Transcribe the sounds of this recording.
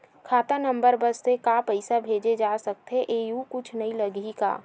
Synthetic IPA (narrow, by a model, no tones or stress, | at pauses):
kʰaːt̪anə̃mbəɾbəsːekapəɪsabʱeːd͡ʒed͡ʒaːsək̚t̪ɦeʔeːjukʊt͡ʃʰnɐɦĩləɡika̰ː